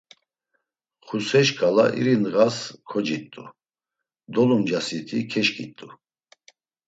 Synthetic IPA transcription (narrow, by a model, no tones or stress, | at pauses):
χusɛʃkʼalaʔḭɾinɣaskʰɔd͡ʒit̪ʼṵ | d̪ɔlumd͡ʒasit̪ʰikʰɛʃkʼḭt̪ʼu